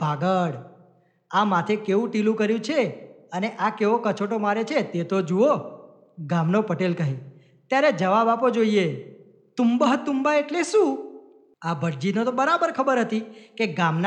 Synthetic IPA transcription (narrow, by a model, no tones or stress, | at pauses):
b̥ʱaɡəɽ | amat̪ʰekeʋũʈilũkəɾjũt͡ʃʰeəneʔakeʋokət͡ʃʰoʈomaɾet͡ʃʰet̪et̪od͡ʒuo | ɡamnopəʈelkəɦi | t̪jaɾed͡ʒəʋabapod͡ʒoie | t̪umbaɦət̪ːumbaeʈleʃũ | abʱəʈ̚d͡ʒinot̪obəɾabəɾkʰəbəɾɦət̪ikeɡamn